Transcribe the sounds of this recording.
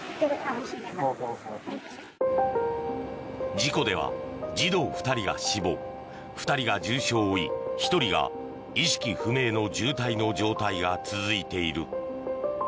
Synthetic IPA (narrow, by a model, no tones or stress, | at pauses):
d͡ʑiko̞d̪e̞β̞a̰d͡ʑid̪o̞ːɸɯ̟̥t̪aɾʲiɡa̰ɕibo̞ː | ɸɯ̟̥t̪aɾʲiɡad͡ʑɨːɕo̞ːḭçi̥t̪o̞ɾʲiɡa̰ | iɕi̥kʲiɸɯ̟me̞ːno̞d͡ʑɨːt̪aino̞d͡ʑo̞ːt̪aiɡat͡sɨzɨit̪e̞iɾɯ̟̰